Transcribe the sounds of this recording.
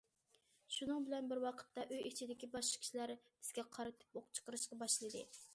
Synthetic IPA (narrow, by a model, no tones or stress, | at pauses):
ʃunɨŋbɪlɛnbɪɾwɑqʰə̥t̪ːɑʔøjɪt͡ʃʰid̪ɪkʲibɑʃqɑ̥kʲi̥ʃilæɾb̥ɪz̥ɡʲɛqʰɑɾɨt̪ʰɨ̥poqt͡ʃʰə̥qəɾɨʃqɑbɑʃlˠɨd̪ɨ̰